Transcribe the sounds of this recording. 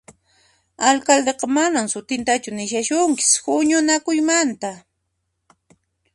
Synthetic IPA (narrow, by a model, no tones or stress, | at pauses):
alkald̪eqɑmanamsʊt̪ɪnt̪at͡ʃʊnɪʃaʃʊŋkɪ̥shʊɲʊnakʊjmant̪a